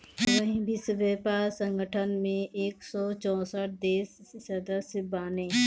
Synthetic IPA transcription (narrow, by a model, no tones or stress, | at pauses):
ʋəɦĩbʱisbeːpaːsə̃ŋɡəʈʰənmẽʔeːksɔːt͡ʃɔ̃ːsəʈ̚d̪eːsːəd̪əsbaːnẽː